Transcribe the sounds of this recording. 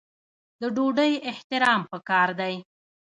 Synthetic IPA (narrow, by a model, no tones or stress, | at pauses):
d̪əɖoɖəjɪht̪ɪɾɑmpəkɑɾd̪aj